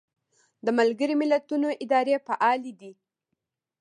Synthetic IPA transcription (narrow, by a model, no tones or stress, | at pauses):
d̪əmalɡəɾomɪlat̪unoʔɪd̪ɑɾefaʔɑlid̪i